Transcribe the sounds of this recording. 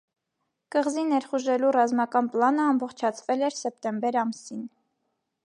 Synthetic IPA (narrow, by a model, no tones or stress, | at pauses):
kəʁzinɛɾχuʒɛlurɑzmɑkɑnplɑnəɑmbɔχt͡ʃʰɑt͡sʰvɛlɛɾsɛp̚t̪ɛmbɛɾɑmsin